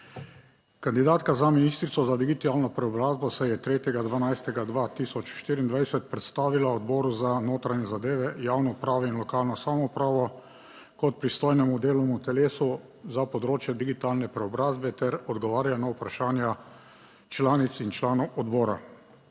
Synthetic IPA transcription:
kand̪id̪aːt̪kazaminiːst̪ɾit̪sɔzad̪iɡit̪alnɔpɾɛɔbɾaːzbɔsɛjɛt̪ɾeːt̪jɛɡad̪ʋanajst̪ɛɡad̪ʋaːt̪isɔt͡ʃʃt̪iːɾiːnd̪ʋajsɛt̪pɾɛt̪st̪aːʋilaɔd̪bɔːɾuzanoːt̪ɾaɲjɛzad̪eːʋɛjaːwnɔpɾaːʋɔinlɔkaːlnɔsaːmɔupɾaːʋɔ | kɔt̪̚pɾist̪ɔːjnɛmud̪eːlɔmut̪ɛleːsu | zapɔd̪ɾoːt͡ʃjɛd̪iɡit̪aːlnɛpɾɛɔbɾaːzbɛt̪ɛɾɔd̪ɡɔʋaːɾjanaupɾaʃaːnja | t͡ʃlaːnit̪sint͡ʃlaːnɔwʔɔd̪bɔːɾa̰

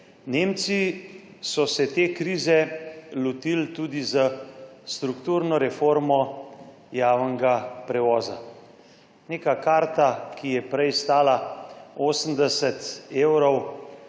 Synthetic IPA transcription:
neːmt̪si | sɔsɛt̪eːkɾiːzɛlɔt̪ilt̪uːd̪izəst̪ɾukt̪uːɾnɔɾɛfoɾmɔ | jaːwnɛɡapɾɛʋɔːza̰ | neːkakaːɾt̪akijɛpɾɛjst̪aːlaoːsəm̩d̪ɛsət̪eːwɾɔw

